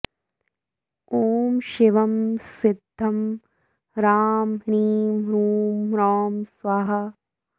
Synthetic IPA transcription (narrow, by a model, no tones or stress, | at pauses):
oːmʃiʋɐmsɪd̪ʱːɐm | ɾaːmɾiːmɾuːmɾɔːmsʋɐɦɐ